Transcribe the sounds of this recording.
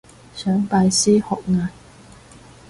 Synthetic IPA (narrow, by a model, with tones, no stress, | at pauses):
sœː˨˥ŋpaː˧jsiː˥hɔː˨k̚ŋaː˧n